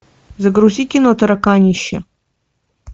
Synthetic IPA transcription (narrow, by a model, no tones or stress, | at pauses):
zɐɡɾuziːkʲinot̪ʰɐɾɐkaːnʲiʃɐ